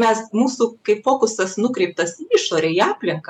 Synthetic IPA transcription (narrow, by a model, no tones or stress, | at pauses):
mʲɛsmuːsuːkɐɪpfoːkʊsɐsnʊkɾʲɛɪp̚t̪ɐsiɪʃoːɾʲeːiɑːpʲlʲɪŋkɐ